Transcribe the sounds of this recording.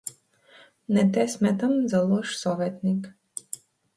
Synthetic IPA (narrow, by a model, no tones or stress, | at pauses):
nɛt̪ɛsʲmɛt̪ɐmzɐlˠɔʃsɔʋɛt̪nɪk